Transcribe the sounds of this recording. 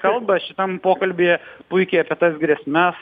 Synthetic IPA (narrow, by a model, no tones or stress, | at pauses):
kɐlˠbɐʃʲɪt̪ɐmpoːkɐlʲbʲeːjɛpʊɪkʲɛɪɐpʲieɛt̪ɐsɡɾʲeɛsʲmʲɛs